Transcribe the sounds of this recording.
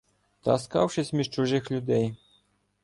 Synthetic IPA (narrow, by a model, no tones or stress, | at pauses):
t̪a̰ska̰wʂɘsʲmʲiʂt͡ʂuʐɪxlʲud̪ɛj